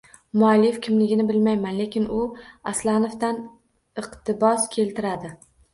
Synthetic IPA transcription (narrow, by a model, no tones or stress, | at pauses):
mʊalɪjfkʲʰɪmlɪɡʲɪnɪbɪlmajmanle̞kʲɪnʊaslanoft̪an | ɨqt̪ʰɪbɒskʲʰe̞lt̪ʰɪɾad̪ɪ